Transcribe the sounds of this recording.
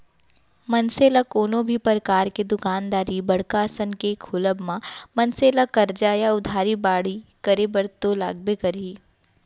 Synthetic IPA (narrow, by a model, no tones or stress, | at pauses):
mɐnseːlakoːnõbʱipəɾəkaːɾked̪ʊkaːnd̪aːɾibɐɽ̤kasənkekʰʊləbmãmɐnseːlakɐɾd͡ʒaːjaʊd̪ʱaːɾibaːɽ̤ikɐɾebɐɾt̪olaːɡbekɐɾiː